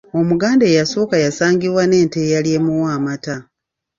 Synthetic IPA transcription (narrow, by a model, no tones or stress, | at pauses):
o̞muɡaːndejaso̞ːkajasaːŋɡiβwane̞ːnte̞jalje̞muwaːmata